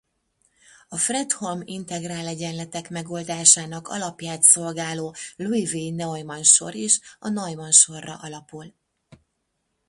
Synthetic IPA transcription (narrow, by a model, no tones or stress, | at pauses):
ɒfrɛt̪ho̞mḭnt̪ɛɡraːlɛɟɛnlɛt̪ɛkmɛɡo̞ːld̪aːʃaːnɒkɒ̰lɒpjaːt̪so̞lɡaːloːluiveːnɛojmɒnʃo̞̰ɾiːʃɒnɒjmɒnʃo̞rːɒ̰ʔɒlɒpul